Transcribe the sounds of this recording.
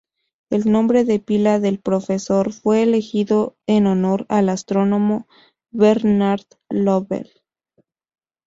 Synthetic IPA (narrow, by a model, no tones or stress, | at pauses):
e̞lnõ̞mbɾe̞ðe̞pilaðe̞lpɾo̞fe̞so̞ɾfwe̞ːle̞xiðo̞enono̞ɾalast̪ɾo̞no̞mo | βeɾnaɾð | loβḛl